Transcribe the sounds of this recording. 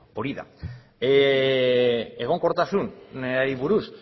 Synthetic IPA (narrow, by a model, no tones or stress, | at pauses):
poɾiða̰ | e | eɣ̞oŋkoɾt̪asunneaiβuɾus